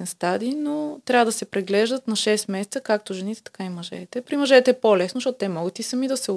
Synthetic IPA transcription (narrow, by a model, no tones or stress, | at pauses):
st̪ad̪inot̪ɾʲavəd̪ɐsɛpɾɛɡlɛʒd̪ət̪nɐʃɛst̪mɛsɛt̪səkak̚t̪oʒɛnit̪ɛ̥t̪ɐ̥kaimɐʒɛ̰t̪ɛpɾimɐʒɛt̪ɛːpolɛsnozʃtɔt̪ot̪ɛmɔɡət̪isɐmid̪ɐsɛʊ